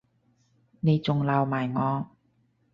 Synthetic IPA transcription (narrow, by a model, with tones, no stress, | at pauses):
ne˨˧jt͡sʊ˨ŋlaː˨˧wmaː˨˩jŋɔː˨˧